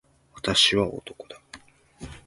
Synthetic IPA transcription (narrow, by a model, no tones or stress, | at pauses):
βat̪aɕiβao̰t̪o̞̥ko̞d̪̥a